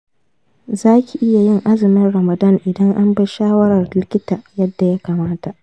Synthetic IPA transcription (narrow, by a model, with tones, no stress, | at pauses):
zaː˦kʲi˨ʔɪ˦ja˨jɪ˦ŋʔa˦zɪ˨mɪ˦nɽɐ˨mɐ˨dɐ˦ŋʔɪ˨dɐ˦ŋʔa˦mbɐ˦ʃaː˦wɐ˦ɾɐ˨rdɪ˦lkʲɪ˦ta˨jɐ˦dːa˨ja˦kaː˨maː˦ta˨ʔ